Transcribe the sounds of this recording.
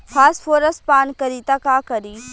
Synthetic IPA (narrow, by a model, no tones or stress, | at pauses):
fʰaːsfoːɾəspaːnkɐɾiːt̪akaːkɐɾiː